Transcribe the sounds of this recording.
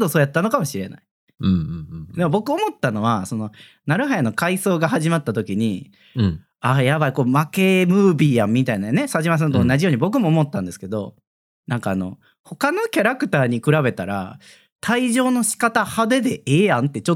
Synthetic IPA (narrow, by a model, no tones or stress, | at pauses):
d̪o̞so̞ːjat̪ːano̞kamo̞ɕiɾe̞̰na̰i̥ | d̪e̞mo̞bo̞kɯ̟omo̞t̪ːano̞β̞aso̞no̞ | naɾɯ̟ɦajano̞kaiso̞ːɡaɦaʑimat̪ːat̪o̞kʲiɲ̟i | aːjaβaikoːmake̞mɯ̟ːbʲijãmːʲit̪ainane̞saʑimas̬ãnt̪oːnaʑijo̞ːɲ̟ibo̞k̬ɯ̟mo̞ːmo̞t̪ːãnd̪e̞sɨ̥ked̪o̞ | nãŋkaːno̞̰ | ho̞kano̞kʲaɾakɯ̟̥t̪aːɲ̟ikɯ̟ɾaβe̞t̪aɾa̰ | t̪ʰaiʑo̞ːno̞ɕi̥kat̪ahad̪e̞d̪e̞ʔeːjãnt̪e̞t͡ɕo